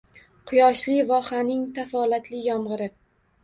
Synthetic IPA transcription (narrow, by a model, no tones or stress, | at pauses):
qʰʊjɒʃlɪvɒχanɪŋt̪ʰafɒlat̪lɪjɒmʁɨɾɪ